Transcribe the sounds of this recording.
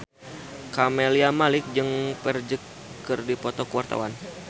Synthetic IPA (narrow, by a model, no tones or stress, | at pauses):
kamɛliamalɪk̚d͡ʒɨŋpɛrd͡ʒəkː | ɨrdipɔt̪ɔkuwart̪a̰wan